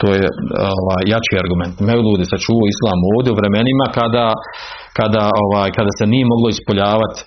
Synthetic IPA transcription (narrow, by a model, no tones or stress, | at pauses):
t̪oːjeoʋaːjːat͡ʃiːaɾɡument̪meulʲuːd̪isat͡ʃuʋoislˠaːmo̞ːʋd̪jeuʋɾe̞me̞nimakad̪a | kad̪ao̞ʋaːjkad̪ase̞nije̞mo̞ɡlˠo̞ispo̞ʎaːʋat̪